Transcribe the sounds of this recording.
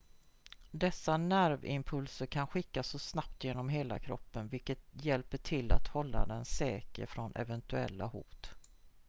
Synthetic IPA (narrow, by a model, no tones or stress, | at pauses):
d̪ɛsːanæɾvɪ̰mpʰɵlsəɾkʰanɧɪkːasːɔsnap̚t̪jeːnɔmɦeːla̰kʰɾɔ̰pːənvɪlkət̪jɛlpəʈʰɪlːa̰t̪hɔlːa̰d̪ɛnsɛːkə̰ɾfɾɔnʔɛ̰vɛnt̪ɵɛlːa̰hṵːt̪